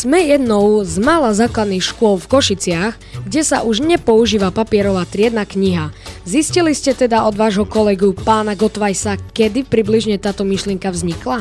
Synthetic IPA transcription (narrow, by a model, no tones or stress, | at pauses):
z̥mɛjɛd̪nɔʊzmalazaːklad̪nixʃkʊɔlfkɔʃit͡sɪaɣ | ɡɟɛsa̰ʔuʒɲɛpɔuʒiːʋapapɪɛɾɔʋaːt̪ɾɪɛd̪nakɲiɦazisciliscɛt̪ɛd̪aɔd̪ʋaːʒɦɔkɔlɛɡupaːnaɡɔt̪ʋajsakɛd̪ipɾibliʒɲɛt̪aːt̪ɔmiʃlɪɛŋkavzɲikla